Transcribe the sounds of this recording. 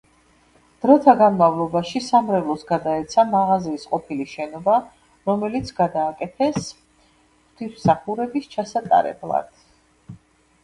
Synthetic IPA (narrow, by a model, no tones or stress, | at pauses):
d̪̥ɾɔt̪ʰaɡanmavlˠɔbaʃisamɾɛvlˠɔsɡad̪aɛt̪sʰamaʁaziːsqʼɔpʰiliʃɛnɔba | ɾɔmɛlit̪sʰɡad̪aːkʼɛt̪ʰɛs | χt̪ʰismsaχuɾɛbist͡ʃʰasat̪ʼa̰ɾɛ̰blˠa̰d̪̥